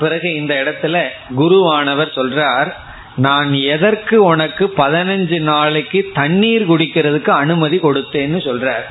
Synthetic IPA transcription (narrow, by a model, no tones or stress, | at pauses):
pɪɾɐɣɯɪnd̪ɐɪɽɐt̪ːɪlɐɡʊɾuaːnɐʋɐɾsɔlraːɾ | naːnɛðɐɾkɯʊnɐkːɯpɐðɪnɐɲd͡ʒɯnaːɭɪkːɯt̪ɐɳːiːɾkʊɽɪkːɪɾɐðɯkːɯɐnɯmɐðikɔɽɯt̪ːeːnːɯsɔlraːɾ